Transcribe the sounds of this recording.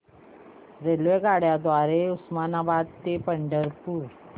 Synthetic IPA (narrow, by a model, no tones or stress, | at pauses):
ɾelʋeɡaɽjad̪ʋaɾeusmanabad̪̚t̪epəɳɖəɾpuːɾ